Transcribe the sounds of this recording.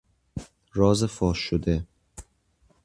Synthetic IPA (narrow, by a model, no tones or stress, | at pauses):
ɾɒːzefɒːʃːod̪e